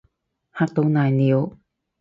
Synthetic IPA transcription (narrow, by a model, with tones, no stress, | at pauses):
ha˧k̚t̪o˧na˧˩jni˧o˦